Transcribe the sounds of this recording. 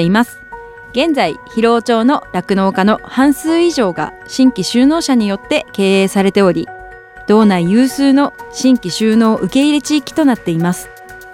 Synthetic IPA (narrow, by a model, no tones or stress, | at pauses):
imasɨ̥ | ɡẽ̞nd͡zaiçiɾo̞ːt͡ɕo̞ːno̞ɾakɯ̟no̞ːkano̞hãɰ̃sɨːiʑo̞ːɡa̰ | ɕĩŋkʲiɕɨːno̞ːɕaɲ̟ijo̞t̪ːe̞ke̞ːeːsaɾe̞t̪e̞o̞ɾʲi | d̪̥o̞ːnaijɯːsɨːno̞ɕĩŋkʲiɕɨːno̞ːʔɯ̟ke̞iɾe̞t͡ɕiːkʲi̥t̪o̞nat̪ːe̞imasɨ̥